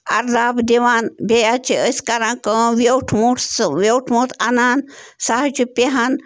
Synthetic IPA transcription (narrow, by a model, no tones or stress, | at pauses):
aɾd̪abd̪eʋanbɛjat͡ɕeəskaɾãkəʋewʈʰmuʈʋewʈʰmut̪anansaɦt͡ɕipeɦãn